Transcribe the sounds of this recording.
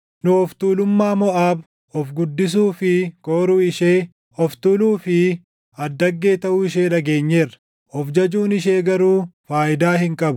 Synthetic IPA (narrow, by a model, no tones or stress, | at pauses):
nʊɔft̪uːlʊmːaːmɔʔaːb | ɔfɡʊd̪ːɪs̬uːfɪkoːɾuːɪʃeː | ɔft̪uːluːfɪ | ɐd̪ːɐɡːe̞ːt̪ɐʔuːɪʃe̞ːᶑɐɡeːɲːe̞ːrɐ̥ | ɔfd͡ʒɐd͡ʒuːnɪʃe̞ːɡɐɾuːfaːʔɪd̪aːhɪŋkʼɐbʊ